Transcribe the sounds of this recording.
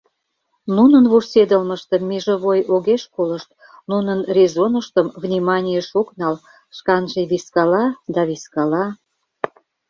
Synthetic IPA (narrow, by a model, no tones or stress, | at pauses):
nunənβursed̪əlməʃt̪ə̆mːiʒə̆βojoɣeʃkoləʃt̪̚ | nunənrʲezonəʃt̪əmvnʲimɑnʲijəʃoknɑl | ʃkɑnʒeβiskɑlɑd̪ɑβiskɑlɑ